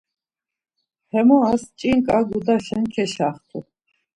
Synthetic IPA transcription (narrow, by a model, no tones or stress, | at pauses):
hɛmɔast͡ʃʼiŋkʼaɡud̪aʃɛnkʰɛʃaχt̪ʰṵ